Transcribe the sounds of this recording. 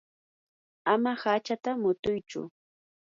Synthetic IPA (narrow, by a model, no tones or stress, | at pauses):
amahat͡ʃat̪amʊt̪ʊjt͡ʃʊ̰